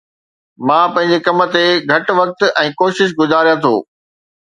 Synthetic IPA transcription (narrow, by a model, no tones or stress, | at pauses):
mãːpɐ̃ɦɪ̃ɲ̆d͡ʑekɐmə̆t̪eɡʱɐʈ̆ʋɐk̚t̪ɛ̃ːkoːʃɪʃ̬ɡʊzaːɾijãt̪ʰo̰ː